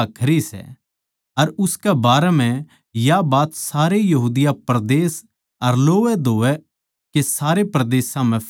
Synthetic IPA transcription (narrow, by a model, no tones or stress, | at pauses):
kʰɐɾisɛ̰ | ɐɾʊskɛbaːɾɛm̤ɛ̃ | jabaːt̪saːɾejɐɦuːd̪ɪjapɾd̪eːs | ɐɾloːʋɛd̪ʱoːɛ | kesaːɾepɾɐd̪eːsãmɛ̃p